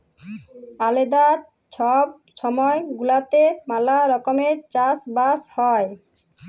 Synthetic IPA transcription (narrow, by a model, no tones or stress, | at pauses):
aled̪aɾ | t͡ɕʰɔb̚ | ʃɔmɔeɡulat̪emalaɾɔkomeɾt͡ɕasbashɔe